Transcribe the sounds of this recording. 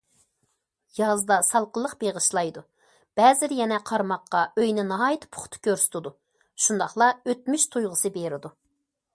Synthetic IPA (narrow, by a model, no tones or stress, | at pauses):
jɑzd̪ɑsɑlˠqəlˠːəqb̥eʁəʃlˠɑjd̪u | b̥ɛːzɪɾjɛnɛqʰɑɾmɑqːɑøjnɪnɑɦɑjt̪ʰpʰʊ̥χt̪ʰɨ̥kʲʰøɾsy̥t̪ʰɪd̪u | ʃund̪ɑχlˠɑøt̪myʃt̪ʰujʁəsɨbeɾɪd̪u